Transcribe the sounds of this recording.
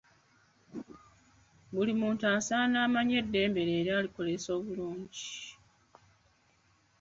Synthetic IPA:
βulimuːntaːnsaːnaːmaɲe̞dːe̞ːmbe̞ɾe̞ːɾjaːliko̞le̞so̞ːβuluːɲɟi

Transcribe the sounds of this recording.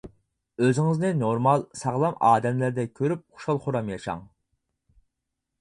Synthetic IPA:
øzɪŋɪznɨnoɾmɑlˠsɑʁlˠɑmɑːd̪ɛmlæɾd̪ɛkʲʰøɾyp̚χʊ̥ʃɑlˠχʊɾɑmjɑʃɑ̰ŋ

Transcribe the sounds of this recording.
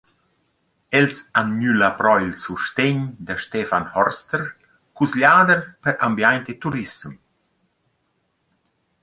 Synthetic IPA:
elsanɲylapɾɔjilsuʃt̪eɲd̪əʃt̪efanhɔɾst̪əɾ | kusʎaːd̪əɾpəɾambjajnt̪et̪uɾisəm

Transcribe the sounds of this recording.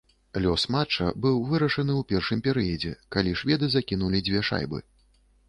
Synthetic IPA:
lʲɔsmat͡ʂɐ̰bɨwvɨɾɐʂɐnɨwpʲɛrʂɨmpʲɛɾɨjɐd͡zʲɛ̰kalʲiʂvʲɛd̪ɨzakʲin̪ulʲid͡zʲvʲɛʂa̰jbɨ̰

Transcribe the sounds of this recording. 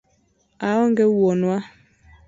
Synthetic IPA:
aɔŋɡɛwɔnwa

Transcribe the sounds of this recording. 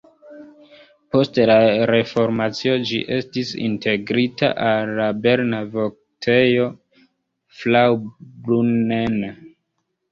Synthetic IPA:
po̞stlaɾe̞fo̞ɾmat͡sio̞d͡ʒḭʔe̞stisḭntʰe̞ɡɾita̰ʔalːabe̞ɾnavok̚ | tʰejo̞ | flawbɾunen

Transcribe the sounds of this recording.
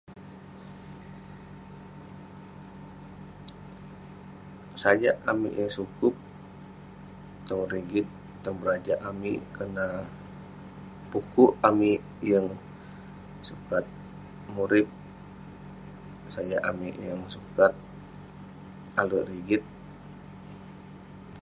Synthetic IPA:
sad͡ʒaʔamḭʔjaŋsukʊp̚ | t̪ɔŋriɡɪt̪ː | ɔŋbəɾad͡ʒaʔamḭkəna | pukuʔami | jəŋ | sukat̪̚ | muɾɪp̚ | sad͡ʒaʔamiʔjəŋsukat̪̚ | aləʔriɡɪt̪̚

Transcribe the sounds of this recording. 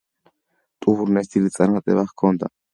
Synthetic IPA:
t̪ʼuhuɾnɛst̪ilit͡sʼaɾat̪ʼɛ̰βaχkʰɔnt̪a̰

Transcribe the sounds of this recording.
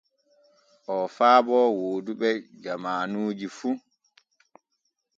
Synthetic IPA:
ʔɔfaːbɔwoːduɓɛd͡ʒamaːnuːd͡ʒifu

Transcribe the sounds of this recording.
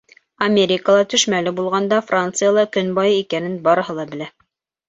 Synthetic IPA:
ɐmʲeɾʲɪkəlˠɑt̪ɵ̆ʃmælɘbulˠʁɑnd̪ɑfrant̪sɨjalˠɑkɵ̆nbɑjɤikænɘnbɑɾɤ̆ɦɤlˠɑbɘ̆læ

